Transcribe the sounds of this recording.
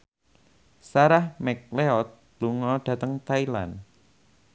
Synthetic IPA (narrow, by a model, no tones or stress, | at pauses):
saɾahmɛk̚leɔt̪̚ | luŋɔɖ̥ä̤t̪əŋt̪aila̰n